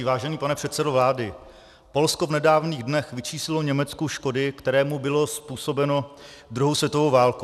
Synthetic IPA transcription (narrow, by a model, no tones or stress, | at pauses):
vaːʒɛniːpanɛpr̝̥ɛt̪sɛdovlaːdɪ | po̞lsko̞vnɛdaːvniːɣdnɛxvɪt͡ʃiːslɪlo̞ɲɛmɛt͡skuʃko̞dɪkt̪ɛɾɛːmubɪlo̞spuːso̞bɛno̞d̪ɾuɦowsvjɛt̪ovowvaːlku